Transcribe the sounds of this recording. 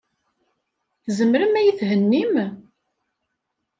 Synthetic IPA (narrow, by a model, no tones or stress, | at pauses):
θzəmɾəmæjəθhənːim